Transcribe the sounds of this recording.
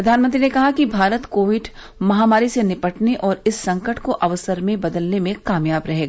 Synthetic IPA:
ɾɐd̪ʱaːnmə̃nt̪ɾinekɐɦakibʱaːɾət̪koːʋɪɖ | mɐɦaːmaːɾisenɪpəʈneʔɔːɾɪsːɐ̃ŋkəʈkoʔɐʋəsəɾmẽbɐd̪əlnemẽkaːmjaːbɾɐɦeːɡaː

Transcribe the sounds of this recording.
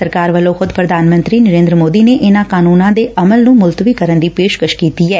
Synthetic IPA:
səɾkaːɾʋəlːõxʰʊd̪pɾəd̪ʱaːnmə̃nt̪ɾiːnəɾẽːnd̪ɾəmoːd̪iːneʔɪnãːkaːnuːnãːd̪eʔɐməlnũːmʊlt̪ʋiːkəɾənd̪iːpeːʃkəʃkiːt̪iɦɛː

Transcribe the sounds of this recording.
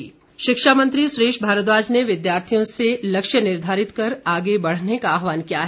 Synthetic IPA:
iː | ʃɪkʃamɐ̃nt̪ɾisɾeːʃbʱaːɾət̪̬ʋaːd͡ʒneʋɪd̪jaːɾt̪ʰijõselɐkʃjənɪɾd̪ʱaːɾɪt̪kɐɾaːɡebɐɽ̤nekaːɦʋaːnkijaɦɛ

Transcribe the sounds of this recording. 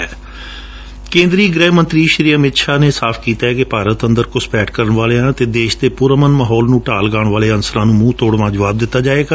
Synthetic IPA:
ɛː | kẽːnd̪ɾiːɡɾɛːmə̃nt̪ɾiːʃɾiːəmɪt̪ʃaːneːsaːpʰkiːt̪aːɛkɪpaːɾət̪ənd̪əɾkʊspɛːʈkəɾəɳʋaːleːãːt̪eːd̪eːʃd̪eːpʊɾəmənmaːɦɔːlnũːʈaːlɡaːɽɳʋaːleːənsəɾãːnũːmũːt̪oːɽʋãːd͡ʒəʋaːb̚d̪ɪt̪ːaːd͡ʒaːeːɡaː

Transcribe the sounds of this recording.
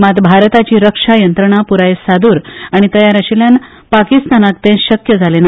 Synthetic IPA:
mat̪bʱaɾt̪at͡ɕiːɾəkʂajənt̪ɾəɳ̃apuɾajesad̪uːɾaɽ̃it̪əjaɾəɕeljan | pakist̪anak̚t̪ẽnɕəkjəd͡zʱalena

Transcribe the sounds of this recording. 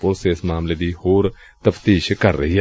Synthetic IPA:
pʊlseɪsmaːmleːd̪iːhoːɾ | t̪əft̪iːʃkəɾːə̰ɦiːɦɛː

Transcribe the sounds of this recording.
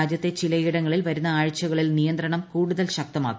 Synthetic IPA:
aːd͡ʑjɐt̪ːe̞t͡ɕilɐjiɽɐŋːɐɭilʋɐɾunːɐaːɻt͡ɕːuɣɐɭilnijɐnd̪ɾɐɳɐmkuːɽuðɐlɕɐk̚t̪ɐma̰ːkː

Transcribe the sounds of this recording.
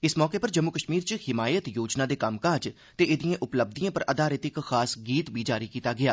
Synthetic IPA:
ɪsmɔːkeːpəɾd͡ʒəmːukəʃmiːɾt͡ʃhɪmaːjət̪joːd͡ʒnãːd̪eːkəmkad͡ʒ | t̪eːʔɪd̪ijãːʔʊpləb̚d̪iãːpəɾʔəd̪aːɾeːt̪ɪkxaːsɡiːt̪biːd͡ʒaːɾiːkiːt̪aːɡɪjaː

